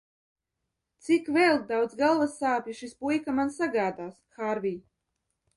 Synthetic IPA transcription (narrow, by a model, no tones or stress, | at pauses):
t̪sikvɛlˠd̪awd̪zɡalˠvasaːpʲiʃispujkamansaɡaːd̪aːsxaɾvʲij